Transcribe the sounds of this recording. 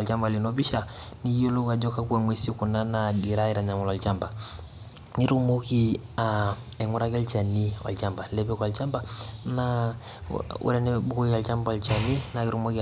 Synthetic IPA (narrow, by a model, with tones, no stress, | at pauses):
a˨lt͡ʃa˦mba˨li˨no˦bi˦ʃa˨ni˦jo˦lo˦ka˨d͡ʒɔ˦ka˦ku˦ɛ˨ŋwe˦si˦ku˨na˦na˨di˨ɾa˦i˦ɾa˨ɲa˨mɔ˨lɔ˨lt͡ʃa˦mba˨ | ni˦ɾu˦mo˦ki˦ | a˨ | ɛ˨ŋu˦ɾa˦ka˦lt͡ʃa˨ni˦ɔ̰˨lt͡ʃa˦mba˨lɛ˦pɛ˦ka˨lt͡ʃa˦mba˦na˦ | ṵ˦ɾɛ˦nɛ˦bu˦ko˦kia˨lt͡ʃa˦mba˦ɔ˨lt͡ʃa˨ni˦na˨ki˦ɾu˦mo˦ki